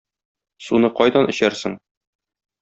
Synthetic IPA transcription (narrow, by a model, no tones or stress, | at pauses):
sunɤqɒjd̪ɑnɵ̆ɕæɾsɘŋ